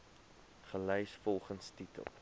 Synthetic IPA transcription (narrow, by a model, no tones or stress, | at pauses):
χəlœɥsfɔlˠχənstitə̰lˠ